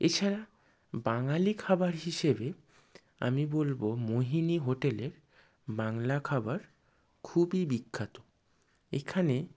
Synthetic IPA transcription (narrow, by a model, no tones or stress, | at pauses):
et͡ɕʰaɾa | baŋalikʰabaɾɦiʃebe | a̰mibolbomoɦiniɦoʈeleɾ | baŋlakʰabaɾ | kʰubibikʰːat̪o | ḛkʰane